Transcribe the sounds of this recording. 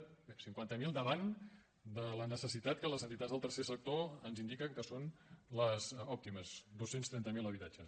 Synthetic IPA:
siŋkwant̪əmilˠd̪əβan | d̪ələnəsəsit̪at̪̚kələzənt̪it̪azðəlˠt̪əɾsesək̚t̪oənzind̪ikəkəsonləzɔp̚t̪iməzd̪osenst̪ɾɛnt̪əmiləβit̪ad͡ʒəs

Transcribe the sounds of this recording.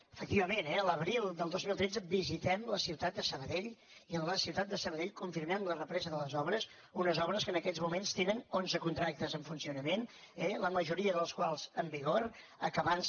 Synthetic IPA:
əfək̚t̪iβəmenɛələβɾilˠd̪əlˠd̪ozmilˠt̪ɾɛd͡zəbizit̪ɛmləsiwt̪at̪̚d̪əsəβəðeʎiəlləsiwt̪at̪̚d̪əsəβəðeʎkuɱfiɾmɛmlərəpɾɛzəðələzɔβɾəz | unəzɔβɾəskənəkɛzmumenst̪enənonzəkunt̪ɾak̚t̪əzəɱfunsiunəmen | ɛləməʒuɾiəðələskwalˠz̥əmbiɣ̞oɾ | əkəβan

